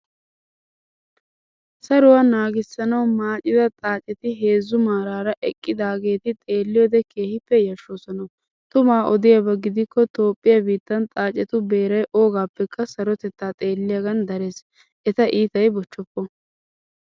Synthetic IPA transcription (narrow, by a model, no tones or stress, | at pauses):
sɐɾʊwɐnaːɡɪsːɐnɐwmaːt͡ʃʼɪd̪ɐt̪ʼaːt͡ʃʼːɛt̪ɪɦe̞ːzːʊmaːɾaːɾɐʔɛkʼːɪd̪aːɡe̞ːt̪ɪt̪ʼe̞ːlːɪjɔd̪ɛkʰe̞ːhɪpːɛjɐʃːoːsɔnɐw | t̪ʊmaːʔɔd̪ɪjabɐɡɪd̪ɪkːɔt̪o̞ːpʼːɪjabiːt̪ːɐnt̪ʼaːt͡ʃʼːɛt̪ʊbe̞ːɾɐjʔo̞ːɡaːpːɛkːɐsɐɾɔt̪ɛt̪ːaːt̪ʼe̞ːlːɪjaɡɐnd̪ɐɾe̞ːs | ʔɛt̪ɐʔiːt̪ɐjbɔt͡ʃːɔpːɔ